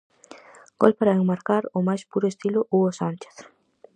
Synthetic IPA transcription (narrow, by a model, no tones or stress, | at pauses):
ɡ̥o̰lpaɾaeŋmaɾkaɾʊmajspuɾʊest̪ilʊʔuosant͡ʃe̥θ